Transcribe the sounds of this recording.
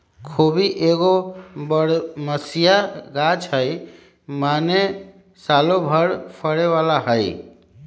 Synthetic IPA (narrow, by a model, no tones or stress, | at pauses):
kʰobiʔeɡobəɽməsijaɡat͡ʃɦəj | mane | salobʱəɽpʰəɽeʋalaɦəj